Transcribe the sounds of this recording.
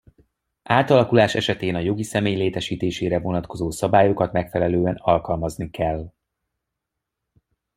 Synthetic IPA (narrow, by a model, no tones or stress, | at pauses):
ʔaːt̪ɒlɒkulaːʃɛʃɛt̪eːnɒjo̞ɡisɛmeːjleːt̪ɛʃiːt̪eːʃeːɾɛvo̞nɒt̪ko̞zoːsɒbaːjokɒt̪mɛkfɛlɛløːɛnɒlkɒlmɒznikɛlː